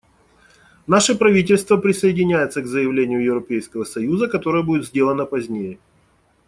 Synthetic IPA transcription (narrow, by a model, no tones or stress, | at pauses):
naʂəpɾɐvʲitʲɪlʲst̪vəpɾʲɪsəɪdʲɪnʲæjɪt̪səɡzəjɪvlʲenʲɪjʊjɪvɾɐpʲejskəvəsɐjuzəkɐt̪o̞ɾəjəbudʲɪt̪zʲdʲelˠənəpɐzʲnʲejɪ